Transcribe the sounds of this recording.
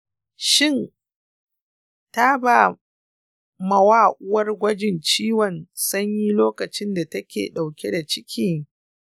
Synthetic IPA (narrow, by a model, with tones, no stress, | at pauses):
ʃɪ˦n | ta˦baː˨ | mɐ˨waː˦ʔʊ˦wɐ˦rɡʷɐ˦d͡ʒɪ˨nt͡ʃiː˦wɔ˨nsɐ˦ɲji˦loː˦kɐ˨t͡ʃɪ˦nda˨tɐ˦kʲḛː˨ɗa˨wkʲe˦da˨t͡ʃɪ˦kʲʰiː˦ŋ